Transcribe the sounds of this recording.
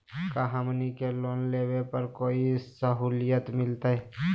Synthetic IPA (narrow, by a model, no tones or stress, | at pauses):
kaɦamnikeloːnleːwepəɾkoːisəɦuːlijət̪mɪlt̪aɦɛ